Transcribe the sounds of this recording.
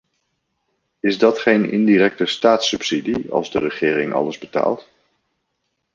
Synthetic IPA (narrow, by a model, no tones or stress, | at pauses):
ɪzdɑtχejnɪ̰ndirɛk̚təstaːtsɵpsidiɑ̰lˠzdərəχɪːɾɪŋɑ̰ləzbəta̰ːlˠt